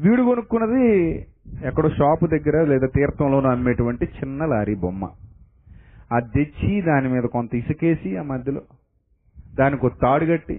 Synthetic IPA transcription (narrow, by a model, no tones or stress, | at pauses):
ʋiːɽuɡonukːunːɐd̪i | ɛkːɐɽoːʃaːpud̪ɐɡːɐɾaːlɛːd̪aːt̪iːɾɐt̪ɐmlo̞ːnuɐmːeːʈuʋɐɳʈit͡ʃinːɐlaːɾibomːɐ̰ | ɐd̪ːet͡ʃːid̪aːnimiːd̪ɐkont̪ɐisɐkeːsiaːmɐd̪ʱjɐloː | d̪aːnikot̪ːaːɽiɡɐʈːḭ